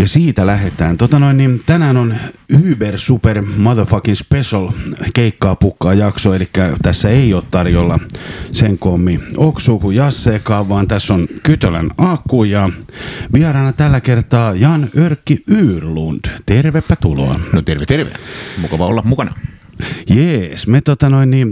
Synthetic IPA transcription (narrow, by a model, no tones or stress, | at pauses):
jɑsiːt̪ælæhet̪æːnt̪ot̪ɑnoinːint̪ænæːnonyːbersupermɑðøfɑkinspesolkeikːɑːpukːɑːjɑksoelikːæt̪æsːæeioːt̪t̪ɑrjolːɑseŋkomːioksuːkujɑsːeːkɑːʋʋɑːnt̪æsːonkyt̪ølæ̰nɑkːuːjɑʋiɑrɑːnɑt̪ælːækert̪ɑːjɑnørkːiyːrlund̥t̪erʋepːæt̪ulo̰ɑnot̪erʋet̪erʋḛæ̰mukɑʋɑo̰lːɑmmukɑnɑ | jesmet̪ot̪ɑnoinːi